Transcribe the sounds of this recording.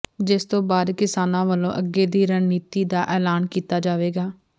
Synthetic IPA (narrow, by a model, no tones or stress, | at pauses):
d͡ʒɪst̪õːbaːd̪kɪsaːnãːʋəlõ̰ːʔəɡːeːd̪iːɾəɳniːt̪iːd̪aːʔɛːlaːnkiːt̪aːd͡ʒaːʋeːɡaː